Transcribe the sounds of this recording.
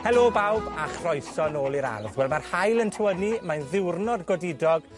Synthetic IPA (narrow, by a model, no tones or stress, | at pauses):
hɛlˠobawbaχrɔjsɔnoːlˠiɾa̰rðwɛlˠmarhajlˠəntʰəwənimajnðɪwrnɔdɡɔdɪdɔɡ̥